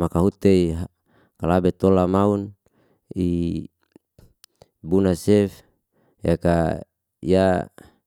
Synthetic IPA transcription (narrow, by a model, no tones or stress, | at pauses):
makaɦut̪eiɦa | kalabet̪olamaun | i | bunasɛf | jaka | ija